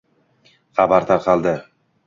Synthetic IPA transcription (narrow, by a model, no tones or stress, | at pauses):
χɑbaɾt̪ʰɑɾqʰɑlˠd̪ɪ